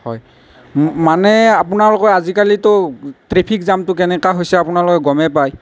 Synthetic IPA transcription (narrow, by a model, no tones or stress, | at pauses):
hɔj | manɛapʊnaɹlɔkɔazikalitɔtɹepʰikzamtʊkɛnɛkaɦojsɛapʊnalɔkɔɡɔmɛpaj